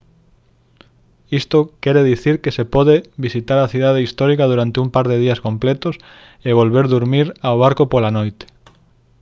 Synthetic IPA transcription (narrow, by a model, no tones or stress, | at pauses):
ist̪okɛɾeðiθiɾkesepɔðeβisit̪aɾɐθiðað̞eist̪ɔɾikɐðuɾant̪eumpaɾðeð̞iɐskomplɛt̪os | eβ̞olβeɾðuɾmiɾawβ̞aɾkopolanojt̪e̥